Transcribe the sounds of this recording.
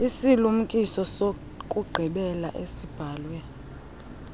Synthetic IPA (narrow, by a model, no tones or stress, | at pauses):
isilum̩kʼisɔso | kʼuɡ͡ǃʱiɓɛla̰ʔesib̥ʱaːlwɛ